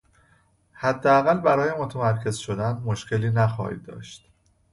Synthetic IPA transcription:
hæd̪ːeæɣælbæɾɒːjemot̪ʰemæɾcʰe̞zʃo̞d̪ænmoʃcʰe̞liːnæxɒ̰ːhḭd̪ːɒ̰ːʃt̪

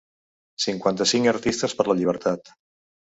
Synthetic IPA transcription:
siŋkwant̪əsiŋkəɾt̪ist̪əspəɾləʎiβ̞əɾt̪ʰat̪

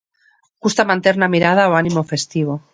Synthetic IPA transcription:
ɡust̪amãnt̪e̞ɾnamiɾað̞aoanimo̞fe̞st̪iβ̞o

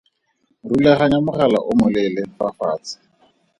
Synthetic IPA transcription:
rulaχaɲamʊχala̰ʔʊmʊlɛlɛfafaːt͡sɪ̥

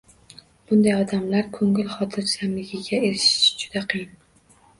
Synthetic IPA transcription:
b̥ʊnd̪ajɒd̪amlaɾkʰoŋɪlχɒt̪ʰɪɾsamlɪɡʲɪɡʲaeɾɪʃɪ̥ʃd͡ʒʊd̪aqʰɨjɪn

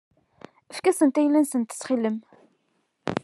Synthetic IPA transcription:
əfkæsənt̪æjlænsənt̪ə̥sχilːəm

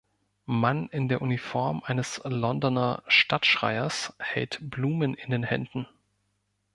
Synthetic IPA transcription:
manɪndeːɐʔunifɔɐmʔaɪnəslɔndɔnɐʃtatʃʁ̥a̰ɪɐshɛ̰ltb̥luːmənɪndeːnhɛ̰ndn̩

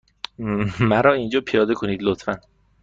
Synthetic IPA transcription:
mæɾɒːind͡ʒɒːpʰijɒːd̪ekʰo̞niːd̪lot̪fæn

